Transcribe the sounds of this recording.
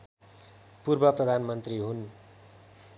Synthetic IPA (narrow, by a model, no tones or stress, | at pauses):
purbʌprʌd̪ʱanmʌnt̪riɦun